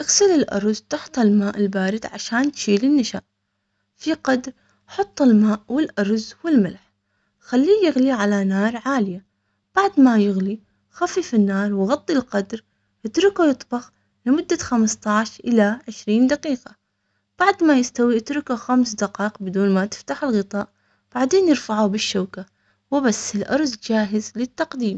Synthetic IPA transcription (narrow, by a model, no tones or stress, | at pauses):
ʔaɣsɪlɪlʔɑ̰ɾˤzt̪ɑħt̪ˤalmaːʔɪlbaːɾɪd̪ʕaʃaːnt̪ʃiːlɪnːɪʃa̰ːʔ | fiqɑd̪ɾ | ħɑt̪ˤːɪlmaːʔwɪlʔɑɾˤzwɪlmɪlħ | xalːiːjɪɣliʕalanaːɾˤʕaːlɪja | b̥aʕd̪majɪɣli | xafifinːaːɾˤwɣɑt̪ˤːilqɑd̪ɾ | ʔɪt̪ɾɪkujɨt̪ˤbɑx | lɪmʊd̪ːaxamst̪ˤɑʕʃʔɪlaʕɪʃɾiːnd̪aqiːqɑ | b̥aʕd̪majɪst̪awiʔɪt̪ɾˤɪkaxamsd̪aqɑːʔqbɪd̪uːnmat̪ɪ̥ft̪aħɪlɣɨt̪ˤɑːʔ | b̥aʕd̪eːnjɪɾfaʕubɪʃːawka | wɪbasːɪlʔɑ̰ɾˤzd͡ʒaːɦɪzlɪt̪ːɑqd̪iːm